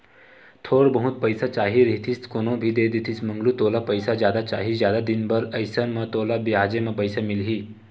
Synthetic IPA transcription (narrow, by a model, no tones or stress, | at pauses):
t̪ʰoɽbəɦut̪̚pəjsat͡ʃaɦiɾit̪ʰiːst̪konobʱid̪ed̪it̪ʰiːt͡sməŋɡluːt̪olapəjsad͡ʑjad̪at͡ɕa̰ɦid͡ʑjad̪ad̪inbəɾəjsəmət̪olabjad͡ʑeməpəjsamilɦiː